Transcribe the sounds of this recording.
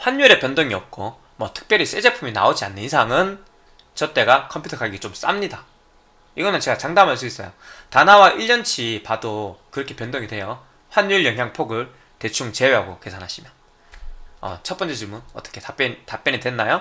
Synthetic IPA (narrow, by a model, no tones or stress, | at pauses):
ɸwanːuiɾe̞pjʌndoŋiʌp̚k͈o | mwʌtʰɯ̥k̚p͈jʌɾis͈e̞d͡ʑe̞pʰumina̰od͡ʑia̰nːɯnisʰaŋɯn | t͡ɕʌt͈e̞ɡakʰʌmpʰju̥tʰʌkaɡiɡit͡ɕoms͈a̰mɲida | iɡʌnɯnt͡ɕe̞ɡat͡ɕaŋdamɦaɭs͈uis͈ʌjotanɦawaʔiʎːʌnt͡ɕʰipadokɯɾʌkʰe̞pjʌndoŋidwejo | ɸwaɲjuiɭjʌŋɦjaŋpʰoɡɯɭ | te̞t͡ɕʰuŋt͡ɕe̞weɦaɡoke̞sʰanɦaɕʰimjʌn | ʌ̰t͡ɕʰʌtp͈ʌnt͡ɕ͈et͡ɕɯmunʌt͈ʌ̥kʰetap͈jʌtap͈jʌɲidwe̞nːajo